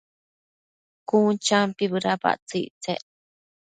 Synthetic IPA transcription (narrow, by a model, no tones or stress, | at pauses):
kunt͡ʃampiβɨɾapa̰ʔt͡siʔt͡sḛʔ